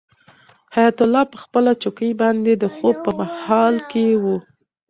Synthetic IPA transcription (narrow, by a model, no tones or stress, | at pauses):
hajat̪ʊlːɑpəxpəlat͡ʃokəjbɑnd̪ed̪əxob̚pəmahɑlkewu